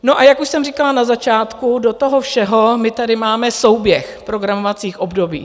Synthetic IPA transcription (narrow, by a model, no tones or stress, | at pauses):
noʔajakuʃsɛmrikalanazat͡ʃaːt̪kudot̪oɦofʃɛɦo̞mɪt̪adɪmaːmɛso̞wbjɛxpɾoɡɾamovat͡siːxʔo̞bdo̞bḭː